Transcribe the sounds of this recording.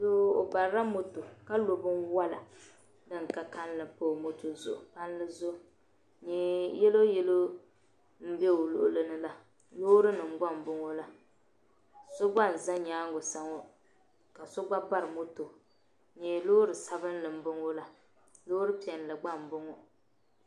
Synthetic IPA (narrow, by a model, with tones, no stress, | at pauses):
lo˦o̰˨ba˨ɾa˦mo˦to˨ka˦lo˨bɨ˦nwa˦la˨ | dɨ˦ŋ˨ka˦ka˦n˦lɨ˨po˦˨mo˦to˨zʊ̰˨ʔʊ̰˨pa˦n˦lɨ˦zʊ˦˨ | ɲɛ˨jɛ˦lo˦jɛ˦lo˦ | m̩˦bɛ˦o˨lʊ̰˦˨ʔʊ̰˦lɨ˦nɨ˦la˨ | loː˦ɾɨ˦nɨ˨m̩˨ɡ͡ba˦m˨bʊ˦ŋo˦la˦ | so˦ɡ͡ba˦˨n̩˨za˦ɲaː˦ŋɡʊ˨sa˨ŋo˦ | ka˨so˦ɡ͡ba˦ba˦ɾɨ˨mo˦to˨ | ɲeː˨loː˦ɾɨ˨sa˦bɨ˦n˦lɨ˨m̩˦bʊ˦ŋo˦la˨ | loː˦ɾɨ˦pi˨ɛ˨n˨lɨ˨ɡ͡ba˦˨m˨bʊ˦ŋo˨